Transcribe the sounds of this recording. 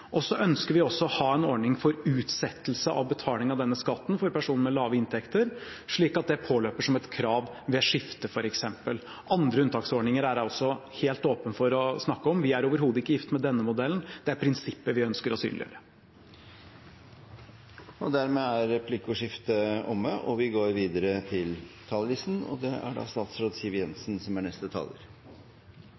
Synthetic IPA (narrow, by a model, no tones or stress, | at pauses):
ʔɔsɔʔœnskəɾʋɪɔsːɔɔhɑːɛnɔɳɪŋfɔɾʉːt̪sɛt̪ːəl̩səʔɑ̰ʋbət̪ʰɑːlɪŋɑʋd̪ɛnːəskɑt̪ːnfɔɾpæʂuːnəmɛlɑːʋəɪnt̪ʰɛkt̪əɾʂɭiːkɑt̪̚d̪ɛpʰoːløːpəʂɔmɛt̪kʰɾɑːʋ | ʋɛʂɪft̪əfɔɾɛksɛmpəl | ʔɑnd̪ɾəʉnt̪ʰɑːksɔɳɪŋəɾæɾɔsːɔheːlt̪oːpənfɔɾɔsnɑkːəɔmʋɪæɾoːʋəɾɦuːd̪əɪkːəjɪft̪mɛd̪ɛnːəmʊd̪ɛln̩d̪̥ɛæɾpʰɾɪnsɪpːəʋɪœnskəɾɔsy̰ːnlɪ̰ø̰ːɾə | ɔd̪æɾmɛæɾɛpʰlɪkʊʂɪft̪əɔmːəʔɔʋɪɡoːɾʋiːd̪əɾət̪ʰɪlt̪ʰɑllɪsn̩ɔ̰d̪ɛæ̰ɖɑ̰ːst̪ɑːt̪sɾoːd̪siːʋəjɛnsnsɔmæɳɛst̪ət̪ʰɑ̰ːlə̰ɾ